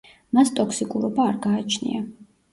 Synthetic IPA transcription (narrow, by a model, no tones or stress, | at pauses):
mast̪ʼɔkʰsikʼuɾɔbaːɾɡaːt͡ʃʰnḭa